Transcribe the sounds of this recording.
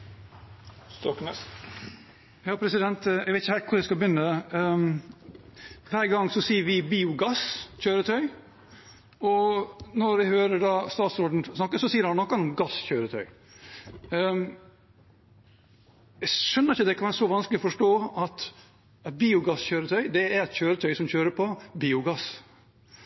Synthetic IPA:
st̪ɔkmɛ | jɑːpʰɾɛsɪd̪ɛnt̪ɛɡʋɛɪt̪ɪçəhɛlt̪kʰʊɖ̪ɛskɑbʏnːə | ʋæːɾɡɑŋːsɔsiːəɾʋɪbiːʊɡɑsçøːɾət̪ʰœʏ | ɔnɔɾæhøːɾəɖɑːst̪ɑːt̪sɔɖd̪n̩snɑkːəsɔsiːəɾhɑnnɔkːɑnɔmɡɑsçøːɾət̪ʰœʏ | ɛɡʂœnːəɾɪçːəd̪ɛkʰɑnʋæːɾəsɔʋɑnsklɪɔfɔʂʈoːɑt̪ | ɛt̪̚biːʊɡɑsçøːɾət̪ʰœʏd̪ɛæɾɛt̪çøːɾət̪ʰœʏsɔmçøːɾəpʰɔbiːʊɡɑs

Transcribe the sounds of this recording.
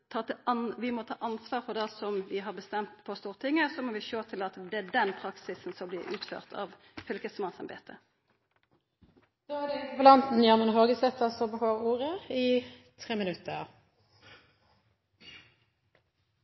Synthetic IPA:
t̪ʰɑːt̪ʋɪmɔt̪ʰɑ̰ːʔɑnsʋɑːʁfɔd̪ɛsɔmʋɪɦɑʁbəst̪ɛmt̪pʰɔst̪uːʁət̪ʰɪŋːəsɔmɔʋɪʃøːt̪ʰɪlɑt̪d̪ɛæːɖɛnpʰʁɑksɪsnsɔblɪːʉ̰ːt̪fø̰ːʁt̪ʰɑ̰ʋ | fʏlkəsmɑnsɑmbḛːt̪ʰə | d̪̥oːæd̪ɛɪəpɔlɑnt̪n̩jɑʁmənɦoːɡəsɛt̪ːɑsɔbəhoːuːʁəɪt̪ʰʁeːmɪnʉt̪ʰəʁ

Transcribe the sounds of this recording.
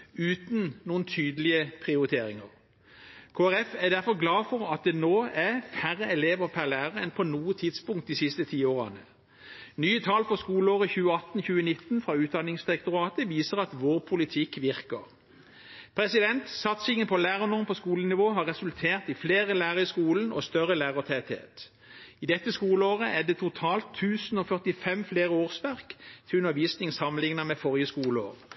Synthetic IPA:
ʉːt̪n̩nuːənt̪ʰyːd̪əlɪəpʰʁɪʊʁɪt̪ʰeːʁɪŋə̰ʁ | kʰoːæʁɛfæd̪æʁfɔʁɡlɑːfɔʁɑt̪̚d̪ɛnoːæfæʁəɛleːʋəʁpʰæʁlæːʁəʁəɛnpʰɔnuːət̪ʰɪd̪spʊŋkt̪̚d̪iːsɪst̪ət̪ʰiːoːʁɑ̰nə | nyːət̪ʰɑːlfɔskuːləoːʁəçʉːəɑt̪nçʉːənɪt̪nfʁɑːʉːt̪̚d̪ɑnɪŋsd̪ɪʁɛk̚t̪ʊʁɑːt̪əʋiːsəʁɑt̪ʋoːʁpʰʊlɪt̪ʰɪkːʋɪʁkəʁ | pʰʁɛsɪd̪ɛnt̪sɑt̪sɪŋənpʰɔlæːʁənʊʁmpʰɔskuːlənɪʋoːɦɑːʁɛsʉlt̪ʰeːʁt̪ɪfleːʁəlæːʁəɪskuːln̩o̰st̪œʁəlæːʁət̪ʰɛt̪hḛːt̪ | iːd̪ɛt̪ːəskuːləoːʁəʔɛd̪ɛt̪ʰʊt̪ʰɑːlt̪ʰːʉːsn̩oːfœʁt̪ɪfɛmfleːʁəoːʁsʋæʁkt̪ʰɪlʉnəʋiːsnɪŋsɑmənlɪŋnəmɛfɔʁjəskuːləo̰ːʁ

